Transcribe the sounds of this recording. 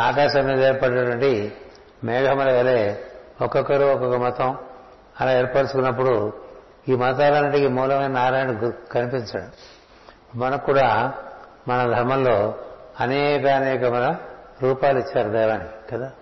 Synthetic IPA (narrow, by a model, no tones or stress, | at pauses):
aːkaːʃɐmːiːd̪ɐeːɾpɐɖːnɐʈʋɐɳʈi | mɛːɡʱɐmɐlɐɐleːɔkɔkːɐɾuɔkɔkːɐmɐt̪ɐm | ɐlaeːɾpɐɽit͡ʃukunːɐp̬ːuɽu | iːmɐt̪̬aːlɐnːiʈikimuːlɐmɐjnɐaːɾaːjnɐɽukɐnipiɲt͡ʃaːɽu | mɐnɐkuːɽaː | mɐnɐd̪ʱɐɾmɐllo̞ːɐnɛːkɐɐnɛːkɐmɐlɐɾuːpaːluit͡ʃːaːɾud̪ɛːʋaːnikɐd̪aː